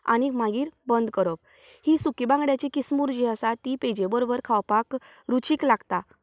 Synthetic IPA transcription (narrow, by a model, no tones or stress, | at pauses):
a̰ñim̤ãɡiːɾbənd̪kəɾop̚ | hisukibãŋɡɽjat͡ɕekismuɾd͡ʑiəsat̪iped͡ʑebəɾobəɾkʰawpak | ɾut͡ɕiːklaɡt̪a